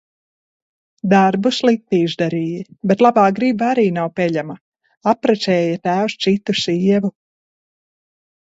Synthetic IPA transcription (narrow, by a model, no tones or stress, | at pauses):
d̪aɾbuslˠik̚t̪iːʒd̪aɾiːjibet̪lˠabaːɡɾibaaɾiːnawpʲɛʎama | apɾasɛːjat̪æːwst̪sit̪usiːɛvu